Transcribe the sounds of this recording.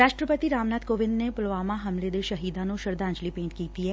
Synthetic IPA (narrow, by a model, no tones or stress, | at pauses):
ɾaːʃʈɾəpət̪iɾaːmnaːt̪koːʋɪ̃nd̪nepʊlʋaːmaɦɐmled̪eʃɐɦiːd̪ãnũʃɐɾd̪ãːnd͡ʒlipẽːɳʈkiːt̪iɦɛː